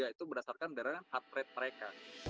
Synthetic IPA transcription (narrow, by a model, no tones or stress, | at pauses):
ait̪ubədasarkandaɾanhat̪̚ɾɛt̪̚məɾeka